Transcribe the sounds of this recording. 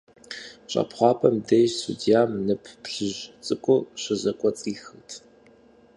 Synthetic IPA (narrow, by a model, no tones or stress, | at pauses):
ɕʼɐ̰pχʷɑːpʰɐmdejsṵdijaːmnɨpʰpɬɨʑt͡sʼɨkʷʼʊɕɐzɐkʷʼɔt͡sʼiːxɨtʰ